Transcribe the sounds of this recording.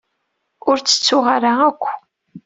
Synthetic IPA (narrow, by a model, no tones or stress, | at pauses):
ʊɾt͡sːə̥t͡sːʊʁaɾaækʷː